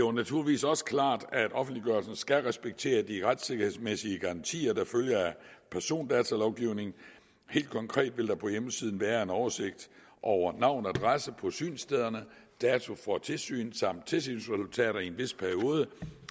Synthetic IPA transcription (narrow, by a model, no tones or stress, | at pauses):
d̥eonæt͡sʰuɐliʋḭːsɒ̽sə̥kʰlɑ̰̈ːd̥æd̥ʔɒ̽fn̩d̥liɡ̥ɶɐlsn̩sɡ̥æʁɛsb̥eɡ̥̚t͡sʰe̝̰ːɐd̥iʁad̥se̝ɡ̥ɐhe̝ð̰ˠsmesiəɡ̥ɑ̈ʁɑ̈nt͡sʰḭːɐd̥ɑ̈føljɐæpʰæɐso̝̰ːnd̥ɛːt͡sʰælɒʊɡ̥iʊ̰ne̝ŋn̩ | he̝̰ːld̥̚kʰɒ̽ŋkʰʁɛ̰ːd̥ʋe̝ld̥ɑ̈pʰɒ̽jeməsið̞ˠn̩ʋæːɐe̝nɒʊɐse̝ɡ̥̚d̥ | ʔɒʊɐnɑ̈ʊ̰næd̥ʁasəpʰɒ̽sy̰ːnsd̥eðˠɐnəd̥ɛːt͡sʰo̝fɒ̽t͡sʰe̝lsy̰ːnsɑ̈m̰d̥̚t͡sʰe̝ls̬y̰ːnsʁɛsult͡sʰɛ̰ːɾɐienʋe̝spʰæɐio̝ːð̞ˠə